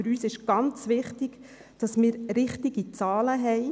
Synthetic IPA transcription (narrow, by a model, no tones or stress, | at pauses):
ɨɾyːsɪʃɡ̥ɑnt͡sʋɪχtiɡ̥ | d̥ɑsmɪːɾɾɪχtiɡit͡sɑːləɦɛɪ